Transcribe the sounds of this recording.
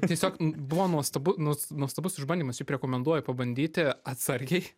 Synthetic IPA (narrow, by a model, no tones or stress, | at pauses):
t̪ʲiɛsʲoːknbʊʋoːnuɔst̪ɐbʊnuɔsnuɔst̪ɐbʊsʲɪʒbɐnʲd̪ʲiːmɐsjɪpʲɾʲɛkoːmʲɛnd̪uɔjɛpɐbɐnʲd̪ʲiːt̪ʲɪɐt̪sɐɾʲɡʲɛɪ